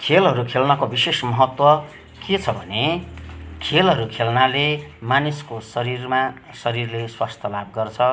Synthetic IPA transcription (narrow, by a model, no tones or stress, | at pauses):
kʰelɦʌɾukʰelnʌkobisesmʌɦʌt̪wʌ | ket͡sʰʌbʱʌne | kʰelɦʌɾukʰelnalemaniskosʌɾirma | sʌɾirleswast̪ʰʌlab̚ɡʌrt͡sʰʌ